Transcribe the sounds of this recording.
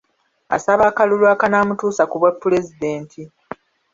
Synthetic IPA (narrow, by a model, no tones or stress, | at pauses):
a̰saβaːkalulwaːkanaːmutuːsakuβwapːule̞zideːntʰi